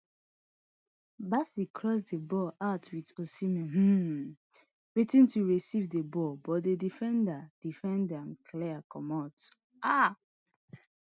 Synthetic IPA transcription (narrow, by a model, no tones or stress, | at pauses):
basikʰɹɔs̬debɔʔatwitosimɛ̃m̩ | ɹitĩntuɹisivdebɔbɔtdedifɛ̃ndad̥ifɛ̃ndɛ̃mkʰlɛakɔmɔt | a